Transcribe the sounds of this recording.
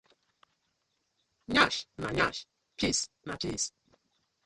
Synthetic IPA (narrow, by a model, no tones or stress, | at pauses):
ɲaʃna̰ɲa̰ʃ | pʰis | natʰis